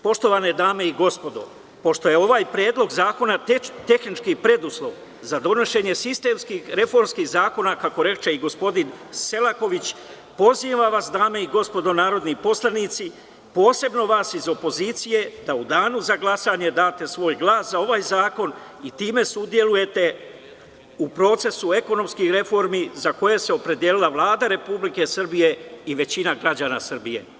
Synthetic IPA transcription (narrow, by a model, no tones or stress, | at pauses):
po̞ʃt̪o̞ʋane̞d̪aːme̞iɡo̞spo̞d̪o̞̰ | po̞ʃt̪o̞jeo̞ʋaːjpɾeːd̪lˠo̞ɡzaːko̞nat̪e̞xnit͡ʃkipɾe̞d̪uslˠo̞ʋ | zad̪o̞noʃe̞ɲe̞sist̪e̞ːmskiːxɾe̞fo̞ɾmskiːzaːko̞nakako̞ɾe̞t͡ʃe̞iɡo̞spo̞d̪in | se̞lako̞ʋit͡ɕ | po̞ziːʋaʋasd̪aːme̞iɡo̞spo̞d̪o̞naːɾo̞d̪nipo̞slˠanit̪si | po̞ːse̞bno̞ʋaːsizo̞po̞ziːt̪sije̞d̪aud̪aːnuzaɡlˠasaɲe̞d̪aːt̪e̞sʋo̞ːjɡlˠaːszao̞ʋajzaːko̞n | it̪iːme̞sud̪je̞luje̞t̪e̞ | upɾo̞t̪se̞sue̞ko̞no̞mskixɾe̞fo̞ɾmizako̞je̞se̞o̞pɾe̞d̪jelilˠaʋlˠaːd̪aɾe̞publike̞sr̩bije̞iʋe̞t͡ɕinaɡɾad͡ʑaːnasr̩bije̞̰